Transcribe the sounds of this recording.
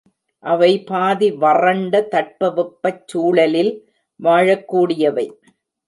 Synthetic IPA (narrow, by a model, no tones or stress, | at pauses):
ʔɐʋɐɪpaːðiʋɐrɐɳɖɐt̪ɐʈ̚pɐʋɪpːɐt͡ʃːuːɭɐlɪl | ʋaːɻɐkːuːɽɪjɐʋɐɪ